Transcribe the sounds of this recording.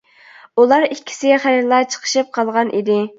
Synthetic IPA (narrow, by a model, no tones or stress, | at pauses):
ulˠɑɾikʲʰːi̥sɪχæɾɾlˠɑt͡ʃʰə̥qʰə̥ʃɨp̚qʰɑlˠʁɑnʔḭd̪ɪ